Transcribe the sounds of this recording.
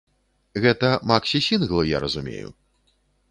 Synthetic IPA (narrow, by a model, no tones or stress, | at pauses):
ɣɛt̪ɐmaksʲisʲinɣlˠɨja̰ɾɐzumʲḛjṵ